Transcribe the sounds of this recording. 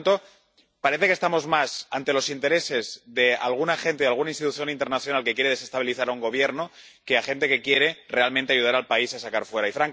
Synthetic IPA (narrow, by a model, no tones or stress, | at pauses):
t̪o | paɾe̞θekest̪amo̞zmasant̪e̞lo̞sint̪e̞ɾe̞se̞zðe̞a̰lɣ̞unaxe̞nt̪eðalɣunainst̪it̪uθjo̞nint̪e̞ɾnaθjonalke̞kje̞ɾe̞ð̞e̞se̞st̪aβiliθaɾauŋɡo̞β̞je̞ɾno | ke̞axe̞nt̪e̞ke̞kje̞ɾe̞re̞almẽnt̪eaʝuðaɾalpaisasakaɾfwe̞ɾaifɾaŋk